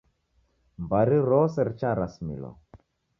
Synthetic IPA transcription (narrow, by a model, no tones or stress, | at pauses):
mbaɾiɾɔsɛɾt͡ʃaɾasmḭlɔ̰